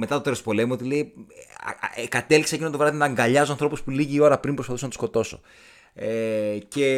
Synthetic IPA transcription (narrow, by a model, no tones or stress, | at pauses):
me̞t̪ɐt̪ot̪eɾospo̞le̞muot̪ile̞i | kɐt̪eliksɐcint̪ovɾɐðinɐːŋɡɐʎɐzoɐnθɾo̞puspuliʝiːo̞ɾɐpɾimpɾospɐθusonɐt̪u̥sko̞t̪o̞so̰ | ece̞